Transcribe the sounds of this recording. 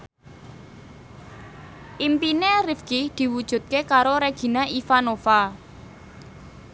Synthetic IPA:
ʔimpinerifkid̪̥i̤wud̥ʒ̥ṳt̪̚kekaɾoɾeɡ̥i̤naʔifanofa

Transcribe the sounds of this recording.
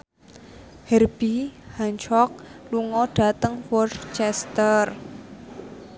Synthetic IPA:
hɛrb̥ihaɲt͡ʃɔk̚luŋɔɖ̥a̤t̪əŋwɔrt͡ʃɛst̪ər

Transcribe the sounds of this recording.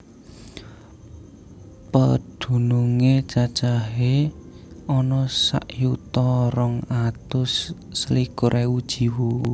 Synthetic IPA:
pəd̪̥ṳnuŋet͡ʃad̥ʒ̥aɦe | ɔnɔsa̰ʔjut̪ɔrɔŋat̪ʊsːlikʊɾʔeud̥ʒ̥i̤wu

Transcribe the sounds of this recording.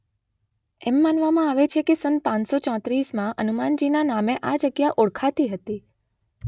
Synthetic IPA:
ɛmːanʋamãaʋet͡ʃʰekesənpãnsot͡ʃɔ̃t̪ɾismãʔənumand͡ʒinanameʔad͡ʒəɡjaʔoɽkʰat̪iɦət̪i

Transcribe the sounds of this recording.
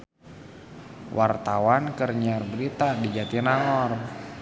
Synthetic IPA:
wʔart̪awankərɲarbəɾit̪adid͡ʒat̪inaŋɔr

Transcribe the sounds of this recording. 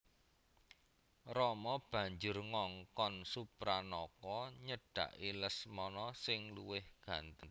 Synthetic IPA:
rɔmɔb̥ä̤ɲd͡ʒʊrŋɔŋkɔnsupɾanɔkɔɲəɖ̥ä̤̰ʔiləsmɔnɔsɪŋluwɪhɡ̥ä̤nt̪ən

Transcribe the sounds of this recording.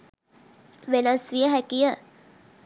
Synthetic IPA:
ʋenəsʋijəɦɛkijə

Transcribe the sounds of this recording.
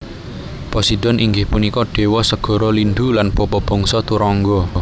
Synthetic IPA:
pɔsiɖ̥ɔ̤nʔiŋɡɪhpunikɔɖ̥e̤wɔsəɡ̥ɔ̤ɾɔlinɖ̪ulanb̥ɔpɔb̥ɔ̤ŋsɔt̪uɾɔŋɡɔ

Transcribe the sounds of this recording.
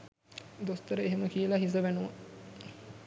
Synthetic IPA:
d̪ost̪əɾəeɦeməkijəlaɦis̬əʋænuʋa

